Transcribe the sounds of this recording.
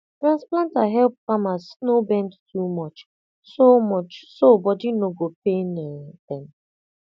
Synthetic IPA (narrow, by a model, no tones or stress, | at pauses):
tɾãnsplãntaɦɛlp̚kɔmasnobɛ̃ndtʰumɔt͡ʃ | somɔt͡ʃsobɔdinoɡopenɛd̥ɛ̃m